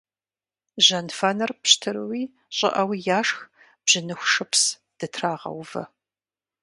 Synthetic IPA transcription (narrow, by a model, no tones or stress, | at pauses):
ʒɐnfɐnɨrpɕtʰɨɾɨwiː | ɕʼɪ̰ʔɐwijaːʂx | b̥ʑ̥ɪnɨxʷʂɨpʰs | d̥ɨtʰraːʁɐ̰wvɐ̰